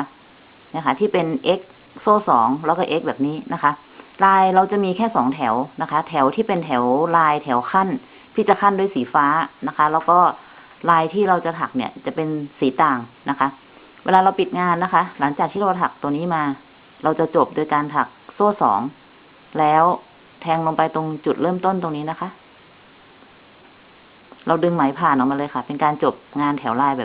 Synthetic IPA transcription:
na˦˥kʰa˦˥t̪ʰiː˥˩pe˧nʔe˦˥k̚ | soː˥˩sɔː˩˦ŋlɛː˧˦˥wkɔː˥˩ʔe˦˥k̚bɛː˨˩p̚niː˦˥nʔa˦˥kʰa˦˥ʔ | laː˧jɾa˧wt͡ɕa˨˩ʔmiː˧kʰɛː˥˩sɔː˩˦ŋt̪ʰɛ˩˦wna˦˥kʰa˦˥t̪ʰɛ˩˦wt̪ʰiː˥˩pe˧nt̪ʰɛ˩˦wlaː˧jt̪ʰɛ˩˦wkʰa˥˩n | t̪ʰiː˥˩t͡ɕa˨˩kʰa˥˩ndu˥˩˨jsiː˩˦faː˦˥na˦˥kʰa˦˥lɛː˦˥wkɔː˥˩ | laː˧jt̪ʰiː˥˩ɾa˧wt͡ɕa˨˩t̪ʰa˨˩k̚ni˥˩t͡ɕa˨˩pe˧nsiː˩˦t̪aː˨˩ŋna˦˥kʰa˦˥ʔ | weː˧laː˧ɾa˧wpi˨˩t̪̚ŋaː˧nːa˦˥kʰa˦˥ʔla˩˦ŋt͡ɕaː˨˩k̚t̪i˥˩a˧˩t̪ʰa˨˩k̚t̪u˧ŋniː˦˥maː˧ | ɾa˧wt͡ɕa˨˩t͡ɕo˨˩p̚do˧jkaː˧nt̪ʰa˨˩k̚soː˥˩sɔ̰ː˩˦ŋ | lɛː˦˥w | t̪ʰɛː˧ŋlo˧ŋpa˧jt̪o˧ŋt͡ɕu˨˩t̪̚ɾɤː˥˩mt̪o˥˩nt̪o˧ŋniː˦˥na˦˥kʰa˦˥ʔ | ɾa˧wdɯ˧ŋma˩˦jpʰaː˨˩nʔɔː˨˩ma˧lɤː˧jkʰa˥˩pe˧nkaː˧nt͡ɕo˨˩p̚ŋaː˧nt̪ʰɛː˩˦wlaː˧jbɛː˨˩

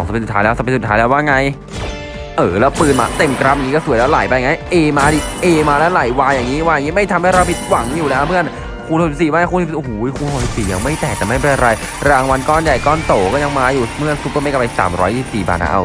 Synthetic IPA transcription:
ɔ˨˩˦ŋse˧nsu˩t̪ʰaː˦jlɛː˦˥˩sa˨˧psu˩t̪ʰaː˦˥lːwaː˥˩ŋa˧j | ʔɤː˨˩lɛː˦˥pɯː˧nma̰ː˧t̪e˧˩mkɾa˦˥m̚ja˨˩ŋi˦kɔ˥˩su˨˦jlɛ˦˥wlaː˩˦jpa˧jŋa˧˥˩jʔeː˧maː˧di˧˩ʔeː˧maː˧lɛ˦˥wlaː˨˩˦jwaː˧jaː˨˩ŋːiː˦˥waː˧jaː˨˩ŋiː˦˥ma˥˩jt̪ʰa˧mha˥˩jɾa˧wpʰi˧˩t̪̚wa˩˦ŋjuː˨˩nɛ˦˥mɯ˥˩ən | kʰuː˧nhs̚siː˨˩maː˧˩a˧˩uː˧n˨˩˨ʔo˨˩hːjkʰuː˧nho˨˩si˨˩psiː˨˩ja˧ŋma˥˩jt̪ɛː˨˩k̚t͡ɕaː˨˩ma˥˩jpe˧nʔa˧ɾa˧j | ɾaː˧ŋwa˧nkɔː˥˩nja˨˩jkɔː˥˩nt̪oː˨˩kɔː˥˩ja˧ŋmaː˧juː˨˩mɯ˥˩ənsu˦˥pːma˥˩jka˨˩pa˧jsa̰ː˩˦mɾɔː˦jsi˨˩p̚siː˨˩ba̰ː˧t̪na̰˦˧˥ʔa̰˧

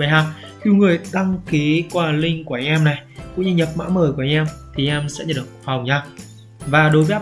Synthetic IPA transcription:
ə˨˦aː˨˩k̚ | xi˧wŋɨ˨˩əjɗ̪a˧ŋki˨˦kwaː˧lï˧ŋ̟ku˧˩˨ŋʔɛ˧mna˨˩jkʊ̰˧˥ŋ͡mɲɨ˧ɲə˨˩p̚ma̰ː˧˥məː˨˩ku˧˩˨a˨˧˦ʔɛ˧mt̪ʰi˨˩ʔɛ˧msɛ̰˧˥ɲə˨˩ɗə˨˩kfa˨˩wŋ͡mɲaː˧˩ | vaː˨˩ɗo˨˦jvə˧˦˥

